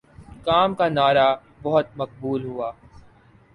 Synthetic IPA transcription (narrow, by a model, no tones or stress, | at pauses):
kaːmkanaːɾa | bɐɦʊt̪̚mɐq̚buːlɦʊaː